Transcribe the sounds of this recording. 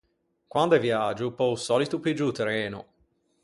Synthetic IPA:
kwand̪ɛvjad͡ʒupɔusɔːlit̪uped͡ʒut̪eɾɛːnṵ

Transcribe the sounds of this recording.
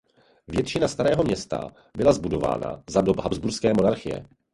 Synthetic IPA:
vjɛt̪t͡ʃɪnast̪aɾɛːɦomɲɛst̪a̰ | bɪlazbudo̞va̰ːna̰zadobɦabzbuɾskɛːmo̞naɾxɪjɛ̰

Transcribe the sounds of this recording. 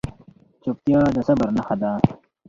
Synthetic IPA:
t͡ɕup̚t̪ijaːd̪ɐsɐbɐɾnɐxɐd̪aː

